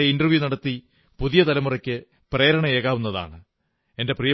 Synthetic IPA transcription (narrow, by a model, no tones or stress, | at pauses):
eindɐrʋjunɐɽɐt̪ːi | puðijɐt̪ɐlɐmurɐkʲːɨ | pre̞ːɾɐɳɐeːɣaːʋunːɐða̰ːɳɨ | e̞nde̞prijɐ